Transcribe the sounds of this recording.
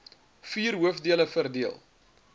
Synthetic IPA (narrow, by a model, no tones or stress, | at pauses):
fiːrɦuəfdiələfərdiəlˠ